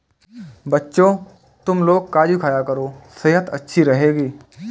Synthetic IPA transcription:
bɐtːʃo | t̪ʊmloːɡ̚kaːd͡ʒukʰaːjakɐɾoːseːɦət̪ɐtːʃʰiɾɐɦeːɡiː

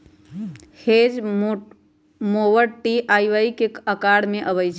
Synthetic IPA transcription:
hed͡ʒ | mowəɽʈiʔaiʋaikekəkaɽmeʔəβəjt͡ʃʰ

